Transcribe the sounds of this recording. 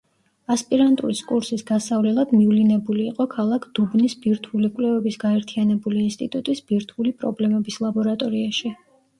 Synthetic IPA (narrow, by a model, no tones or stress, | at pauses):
aspʼiɾant̪ʼṵɾiskʼuɾsisɡ̥asavlɛlˠad̪mivlinɛbuliːqʼɔkʰalˠakʰd̪̥ubnisbiɾt̪ʰulikʼlɛvɛbisɡaɛɾt̪ʰianɛbuliːnst̪ʼit̪ʼut̪ʼisbiɾt̪ʰulipʼɾɔ̰blɛmɛbislˠabɔɾat̪ʼɔɾiaʃi